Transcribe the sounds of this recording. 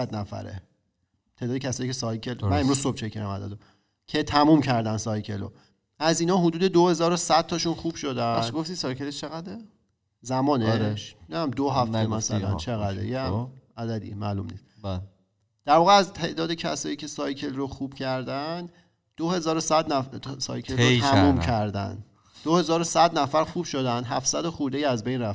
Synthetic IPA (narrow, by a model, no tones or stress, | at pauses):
æd̪næfæ̰ɾḛ | t̪ʰe̞ʔd̪ːd̪ecʰæsɒːjicʰe̞sɒjcʰelmænemɾuːzsob̥̚t͡ʃʰecʰeɾæmæ̰d̪æ̰d̪o | cʰe̞t̪ʰæmuːmcʰæɾd̪ænd̪sɒjcʰelo | æziːnɒːɦod̪uːd̪e̞d̪ohe̞zɒːɾosæd̪̥̚t̪ɒʃunxuːb̥ʃod̪æʃɡoft̪isɒjkʰeleʃt͡ʃʰeɣæd̪e | zæmɒːneʃnææmd̪oɦæft̪mæsælæ̰nt͡ʃʰeɣæd̪ḛjeæmæd̪æd̪ḭmælṵmnḭst̪̚ | d̪̥æɾvɒːɣeæzt̪ʰe̞ʔd̪ɒːd̪e̞cʰæsɒːjiːcʰʲe̞sɒjcʰelroxuːb̥cʰæɾd̪ænd̪ | d̪̥ohe̞zɒːɾosæd̪nsɒ̰ːjcʰelomuːmcʰæɾd̪æ̰n | d̥̪ohe̞zɒːɾosæd̪næfæɾxuːb̥ʃod̪ænd̪ɦæfsæd̪oxuɾd̪ejiæzbejnɾæf